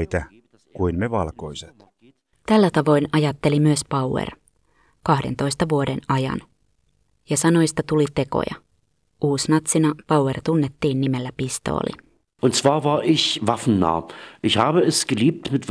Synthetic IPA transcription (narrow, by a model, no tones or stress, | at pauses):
it̪æ | kuinneʋɑlkoiset̪ | t̪ælːæt̪ɑʋo̞jnɑjɑt̪ːe̞limyøspɑwwḛr | kɑhde̞nt̪o̞jst̪ɑʋuodenɑjɑ̰n | jɑsɑno̞jst̪ɑt̪ulit̪e̞ko̰jɑ̰ | ʔuːsnɑt̪sinɑpɑwwert̪unːet̪ːiːnːimelːæpist̪o̰ːlḭ | ʔʊntt͡sv̥aːɐvaːɐʔɪçvafn̩na̰ːʔɪçhaːbəɛsɡ̥əliːp̚tmɪtv